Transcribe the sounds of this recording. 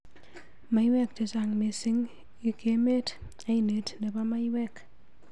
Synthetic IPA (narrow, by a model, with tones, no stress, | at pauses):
ma˨˦jwɛ˦k̚t͡ʃe˨t͡ʃa˨ŋme˨si˦ŋ | i˨ke˨me˦t | a˦i˨ne˨tne˨pa˦ma˦jwɛ˦k